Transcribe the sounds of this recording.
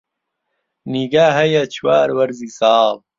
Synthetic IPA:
niɡaːɦɐjat͡ɕʰuwaːɾwɐɾzisaːw

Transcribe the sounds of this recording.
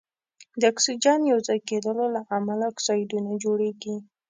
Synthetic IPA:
d̪əaksid͡ʒɑnjawzɑjked̪əlolaʔamalaksɑjd̪unad͡ʒoɽeɡi

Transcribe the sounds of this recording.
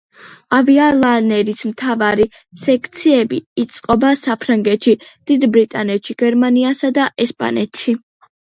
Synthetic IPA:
avialˠanɛɾismt̪ʰavaɾi | sɛkʰt̪sʰiɛbiːt̪sʼqʼɔbasapʰɾaŋɡɛt̪ʃid̪̥id̪bɾit̪ʼanɛt̪ʃiɡ̥ɛɾmaniasad̪aʔɛspʼa̰nɛt̪ʰʃi

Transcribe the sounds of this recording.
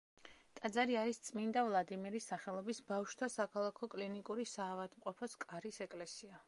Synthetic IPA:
t̪ʼad̪zaɾiaɾist̪sʼmind̪avlˠad̪imiɾisːaχɛlˠɔbisbafʃt̪ʰasakʰalˠakʰɔkʼlinikʼuɾisaːvad̪mqʼɔpʰɔskʼaɾisɛkʼlɛsia

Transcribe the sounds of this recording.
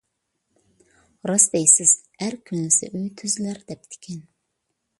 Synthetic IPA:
ɾɑsd̪ɛjsɪz̥hæɾkʲʰynɪsɪ̰ʔøjt̪ʰyzlæɾd̪ɛp̚t̪ʰɪ̥kʲʰɛn

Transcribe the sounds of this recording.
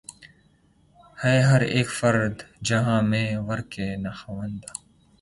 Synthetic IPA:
hɛːɦɐɾeːkfəɾd̪d͡ʒɐɦãːmẽːʋəɾkeːnaxəʋənd̪aː

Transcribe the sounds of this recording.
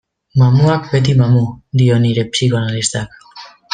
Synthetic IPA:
mamuak̚be̞t̪̬imamud̪io̞niɾe̞psikoanalist̪ak

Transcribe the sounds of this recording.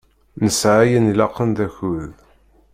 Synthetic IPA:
nəsʕajənilɑqːənd̪æçuð

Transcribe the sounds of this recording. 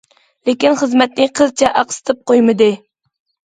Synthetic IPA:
lekʲinχəzmɛt̪̚nɪqʰəzt͡ʃʰɛʔɑqsɨ̥t̪ʰɨp̚qojmɨd̪ɨ

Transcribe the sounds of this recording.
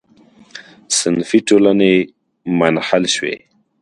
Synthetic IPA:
sɪnfiʈolane | manhalʃwḛ

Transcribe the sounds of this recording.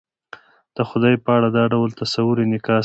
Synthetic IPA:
d̪̥əxʊd̪ɑjpəaɽad̪ɑɖawlt̪asawʊɾenɪkɑ

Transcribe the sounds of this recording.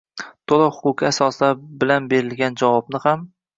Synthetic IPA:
t̪ʰolˠɪχʊkʲʰɪasɒsabɪlanbe̞ɾɪlɡʲand͡ʒavɒb̚nɪham

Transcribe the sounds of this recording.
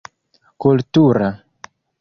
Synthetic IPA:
kultuɾa

